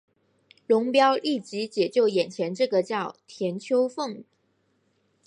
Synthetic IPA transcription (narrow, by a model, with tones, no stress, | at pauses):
lʊ˧˥ŋpjɑ˥ʊli˥˩t͡ɕi˧˥t͡ɕjɛ˨˩t͡ɕjo˥˩ʊjɛ˨˩nt͡ɕʰjɛ˧˦˥nʈ͡ʂɤ˥˩ɡə˩t͡ɕjɑ˥˩ʊt̪ʰjɛ˧˥nt͡ɕʰjo˥ʊfɤ˥˩ŋ